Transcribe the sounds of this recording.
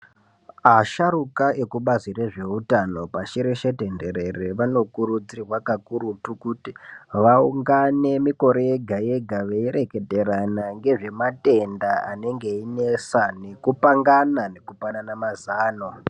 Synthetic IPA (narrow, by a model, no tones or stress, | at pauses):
aʃaɾukae̞kuɓazire̞ʐe̞utano̞paʃiɾeʃete̞nde̞ɾe̞reʋano̞kuɾud͡zirwakakuɾutukutiʋauŋɡane̞miko̞ɾeɡʱaje̞ɡʱaʋeiɾe̞ke̞te̞ɾanaŋɡe̞ʐe̞mate̞ndaane̞ŋɡe̞inesane̞kupaŋɡanane̞kupananamazaːno